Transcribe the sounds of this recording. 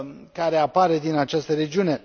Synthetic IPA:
kaɾe̞apaɾe̞d̪inat͡ʃast̪əɾe̞d͡ʒiune̞

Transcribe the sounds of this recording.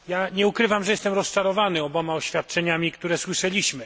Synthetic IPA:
jaɲɛukɾɘvamʐɛjɛst̪ɛmɾɔst͡ʂaɾɔvanɘɔbɔmaɔɕfʲjat̪̚t͡ʂɛɲamʲikt̪uɾɛswɘʂɛlʲiɕmɘ

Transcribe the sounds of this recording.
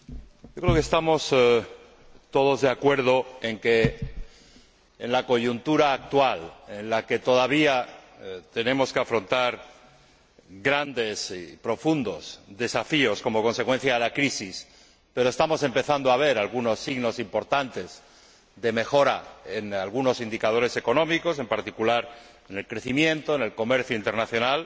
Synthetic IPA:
ɟ͡ʝokɾeokest̪amo̞s | t̪o̞ð̞o̞zðeakwe̞ɾð̞o̞e̞ŋke | nlako̞ʝunt̪uɾaːk̚t̪walenlake̞t̪o̞ðaβ̞ia | t̪e̞nẽ̞mo̞skeafɾo̞nt̪aɾ | ɣɾand̪e̞sipɾo̞fund̪o̞sðe̞safio̞sko̞mo̞ko̞nse̞kwe̞n̟θjaðelakɾisis | pe̞ɾoest̪amo̞se̞mpe̞θand̪oaβ̞e̞ɾalɣuno̞sːiɣno̞simpo̞ɾt̪ant̪e̞z | ðe̞me̞xo̞ɾae̞nalɣuno̞sind̪ikað̞o̞ɾe̞se̞ko̞nõ̞miko̞se̞mpaɾt̪ikulaɾ | ene̞lkɾe̞θimjẽ̞nt̪o̞ene̞lko̞me̞ɾθjoint̪e̞ɾnaθjo̞nal

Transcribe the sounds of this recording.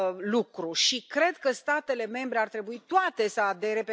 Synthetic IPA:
lukɾuʃikɾe̞d̪kəst̪at̪e̞le̞me̞mbɾe̞art̪ɾe̞buit̪oat̪e̞səad̪e̞ɾe̞pe

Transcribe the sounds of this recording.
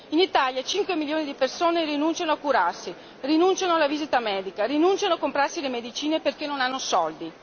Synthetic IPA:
init̪aljat͡ʃiŋkwemiljoːnid̪ipersoːnerinunt͡ʃanoakuɾarsi | rinunt͡ʃanoalaviːzit̪amɛːd̪ikarinunt͡ʃanoakːompɾarsilemed̪it͡ʃiːneperkenːonanːosɔld̪i

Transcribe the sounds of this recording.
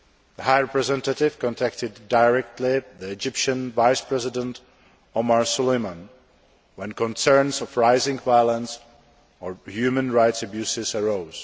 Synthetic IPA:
ðəhajɹɛpɹɛzɛ̃ntatɪvkɔ̃ntaktɪdːajɹɛktʰlɪðiɛd͡ʒɪpʃə̃nvajspɹɛzɪdə̃nt | omaɹsulejmə̃n | wɛ̃nkɔ̃nsɛɹnsɔfɹaɪzɪ̃ŋvajlə̃ns | ɔhjuːmə̃nɹajtsabjuːsɪsɛɹoʊz

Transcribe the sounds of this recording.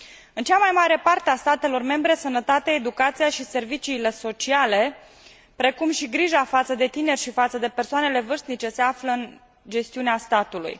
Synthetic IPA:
ɨnt͡ʃamajmaɾe̞part̪east̪at̪e̞lo̞rme̞mbɾe̞sənət̪at̪eaed̪ukat̪sijaʃise̞rvit͡ʃiːle̞so̞t͡ʃiale̞ | pɾe̞kumʃiɡɾiʒafat̪səd̪e̞t̪ine̞rʲʃifat̪səd̪e̞pe̞rsoanele̞vɨrst̪nit͡ʃe̞se̞afləɨn | d͡ʒe̞st̪iuneast̪at̪ulṵj

